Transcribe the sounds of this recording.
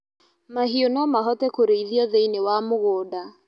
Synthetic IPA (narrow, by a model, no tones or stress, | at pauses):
maɦionɔmaɦɔtɛkoɾeiðiɔðeinewamoɣoːda